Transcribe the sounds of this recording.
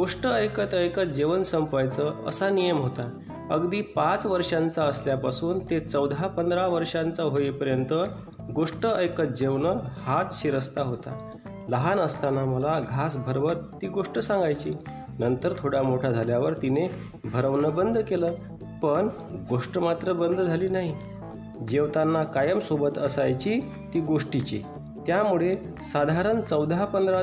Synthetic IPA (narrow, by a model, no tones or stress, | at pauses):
ɡoʂʈəəjkət̪əjkəd͡ʑeʋənsəmpəjt͡səə̰sanijəmɦot̪a | əɡd̪iːpãt͡sʋəɾʂãnt͡saəsljapasuːnt̪et͡səwd̪ʱapənd̪ɾaʋəɾʂãnt͡saɦoipəɾjənt̪ə | ɡoʂʈəʔəjkət̪̚d͡ʑeʋnəhat̪ɕiɾəst̪aɦot̪a̰ | ləɦanəst̪anaməlaɡʱasbʱəɾʋət̪ːiːɡoʂʈəsãŋɡajt͡ɕiː | nənt̪əɾt̪ʰoɽamoʈʰad͡zʱaljaʋəɾt̪ine | bʱəɾəʋnəbənd̪ʱkeləː | pəɳ | ɡoʂʈəmat̪ɾəbənd̪d͡zʱaliːnaɦi | d͡ʑeʋt̪anːakajəmsobət̪əsajt͡ɕi | t̪iːɡoʂʈit͡ɕḭ | t̪jamuɭe | sad̪ʱaɾənt͡səwd̪ʱapənd̪ɾa